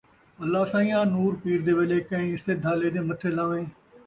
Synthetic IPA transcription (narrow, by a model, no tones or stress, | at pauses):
əlːaːsaːĩjãːnuːɾpiːɾd̪eːʋeːleːkə̃ĩːɪst̪eːd̪ʱaːleːd̪eːmət̪ʰːeːlãːʋẽː